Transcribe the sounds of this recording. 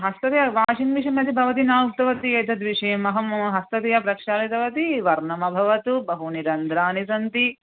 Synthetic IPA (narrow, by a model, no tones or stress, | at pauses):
ɦɐst̪ɐt̪ijɐʋaːʃinʋiʂɐmɐt̪ibʱɐʋɐt̪inaːuk̚t̪ɐʋɐt̪ieːt̪ɐd̪ʋiʂɐjɐmɐɦɐmɦɐst̪ɐt̪ijɐpɾɐkʂaːlit̪ɐʋɐt̪iʋɐɾnɐmɐbʱɐʋɐt̪ubɐɦuniɾɐnd̪ɾaːnisɐnt̪i